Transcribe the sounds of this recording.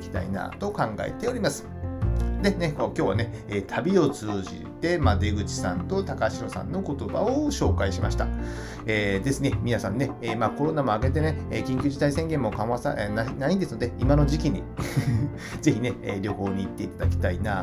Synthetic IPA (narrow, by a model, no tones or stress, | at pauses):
kʲi̥t̪a̰ḭna̰ːt̪o̞kãŋɡa̰ḛt̪e̞o̞ɾʲimasɨ̥ | d̪e̞nekokʲo̞ːβane̞ | eːt̪ʰabʲio̞t͡sɨːʑḭt̪e̞mad̪e̞ɡɯ̟t͡ɕi̥sã̰nt̪o̞t̪akaɕiɾo̞sã̰nːo̞ko̞t̪o̞ba̰oɕo̞ːkaiɕimʔa̰ɕi̥t̪a | eːd̪e̞sɨne̞mʲinasãnːe̞eːmaːko̞ɾo̞namo̞aɡe̞t̪̬e̞ne̞ekʲĩŋkʲɨːʑit̪aisẽŋɡẽ̞mːokãβasa̰nanaɲ̟id̪esɨnod̪e̞imano̞ʑikʲiɲ̟i | d͡ze̞çine̞eɾʲo̞ho̞ːɲ̟iːt̪ːe̞it̪ad̪akʲi̥t̪ainaː